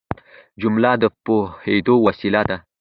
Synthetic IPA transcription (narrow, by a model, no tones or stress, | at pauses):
d͡ʒumlad̪əpohed̪owasilad̪a